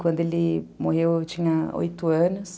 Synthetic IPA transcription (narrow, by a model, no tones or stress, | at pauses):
kwɐ̃nd̪elimoɦewt͡ʃĩɲɐo̰jt̪uɐ̃nʊs